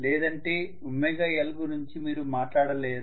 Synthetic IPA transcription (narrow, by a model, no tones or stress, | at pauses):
lɛːd̪ɐɳʈe̞ː | umːeɡɐelɐɡunuɲt͡ʃimiːɾumaːʈlaːɽɐleːd̪